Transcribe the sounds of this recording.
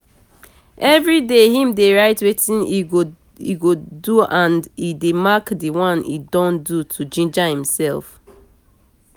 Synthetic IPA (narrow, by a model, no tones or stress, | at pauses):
ʔɛvɹidehĩmdeɹaɪtwetĩnio | ḭɡoduãndidemakdiwɔ̃nḭdɔ̃ndutʰud͡ʒĩnd͡ʒahĩmsɛlˠf